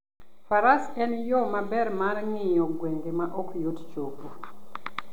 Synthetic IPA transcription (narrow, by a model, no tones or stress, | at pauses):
faɾasɛnjɔmabɛrmarŋɪjɔɡweŋɡemaʔokjott͡ʃopo